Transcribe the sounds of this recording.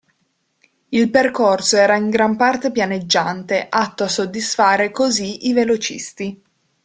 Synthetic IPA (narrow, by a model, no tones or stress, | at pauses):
ilperkorsoɛːɾaiŋɡɾampart̪epjaned͡ʒːant̪eʔat̪ːoasːod̪ːisfaːɾekoziivelot͡ʃḭst̪i